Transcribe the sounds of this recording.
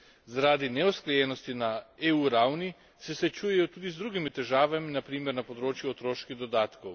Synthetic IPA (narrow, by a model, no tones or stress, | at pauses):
zaɾaːd̪inɛɔskɾɛjɛnɔst̪inaeːuːɾawni | sɛsʋɛt͡ʃuːjɛjɔt̪uːd̪izd̪ɾuːɡimit̪ɛʒaːʋaminapɾiːmɛɾnapɔd̪ɾoːt͡ʃjuɔt̪ɾoːʃkid̪ɔd̪aːt̪kow